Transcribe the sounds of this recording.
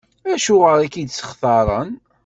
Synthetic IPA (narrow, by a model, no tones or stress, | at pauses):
æʃuʁəɾækid̪sə̥χθɑɾˤən